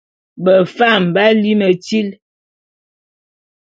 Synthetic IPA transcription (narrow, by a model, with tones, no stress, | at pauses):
bə˨fa˦˨m̩˨ba˦li˦mə˨ti˦l